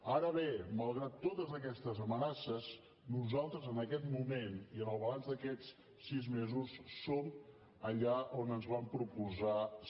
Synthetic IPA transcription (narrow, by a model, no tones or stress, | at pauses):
aɾəβeməlˠɣɾat̪ːot̪əzðəkɛst̪əzəmənasəs | nuzalˠt̪ɾəzənəkɛt̪mumeniənəlˠβəlanzd̪əkɛt͡s | sizmezusːom | əʎaʔonənzβampɾupuza